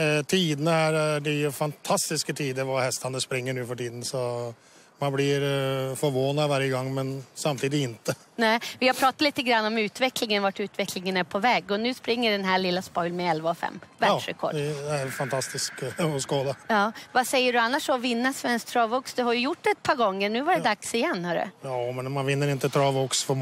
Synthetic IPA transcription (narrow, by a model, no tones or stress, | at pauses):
t̪ʰiːd̪ənəhæːɾæɖɪfɑnt̪ʰɑst̪ɪskət̪ʰiːd̪əʋɑhɛst̪ɑnəspɾɪŋːəɳʉːfɔʈiːd̪n̩sɔ | mɑnblɪɾfɔɾʋoːnɑʋæɾjəɡɑŋːmɛnsɑmt̪ʰiːd̪ɪɪnt̪ə | næːʋɪhaɾpʰɾɑːt̪at̪liːt̪əɡɾanːɔmʉːt̪ʋɛklɪŋənʋaʈʉːt̪ʋɛkʰlɪŋənæɾpʰɔvɛːɡɔnʉ̟ːspɾɪŋːəɖɛnɦæːɭɪlːaspɔʏlmɛɛlvaɔfɛ̰mːvæɖʂɾɛ̰kʰɔ̰ɖɛæɾfant̪ʰɑst̪ɪskɔskoːd̪ajɑːvasɛjːəɖɵanːaʂɔɔvɪnːasvɛnsk̚t̪ʰɾɑːvʊksd̪ɛhaɾjɵjʊʈːɛt̪̚pʰɑːɾɡɔŋːəɳʉ̟ːvaɖɛd̪aksɪjɛnːhɑɖɵ̰jɑːmɛnmanvɪnːəɾɪnt̪ət̪ʰɾɑːvʊksfɔ